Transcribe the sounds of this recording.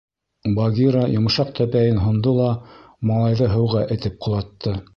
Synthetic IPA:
bɑɡʲiɾɑjŏmɤ̆ʃɑq̚t̪ʰæpæjɘnɦŏnd̪ɤlˠɑ | mɑlˠɑjðɤɦɤ̆wʁæʔɘ̆t̪ɘp̚qʰŏlˠɑt̪ːɤ

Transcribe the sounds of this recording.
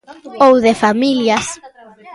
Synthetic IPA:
owðefamiljas

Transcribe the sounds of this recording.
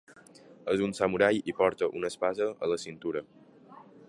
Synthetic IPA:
əzunsamuɾajipɔɾt̪əʔunəspazəə̰ləsint̪uɾə

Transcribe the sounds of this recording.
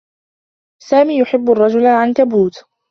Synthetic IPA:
saːmiːjʊħɪbːarˤːɑd͡ʒʊlaʕankabuːt̪

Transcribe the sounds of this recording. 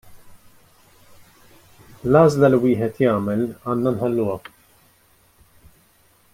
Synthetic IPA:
lɐːzlɐliwɪːħɛt̪jɐːmɛlɐːnːɐnħɐlːuːɐ

